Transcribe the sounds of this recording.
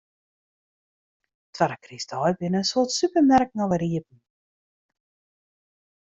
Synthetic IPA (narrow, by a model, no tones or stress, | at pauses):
tʰʋaɾəkristʰɔjbɪnəsuətsypərmɛrk̚nɔʋəɾiəp̚n̩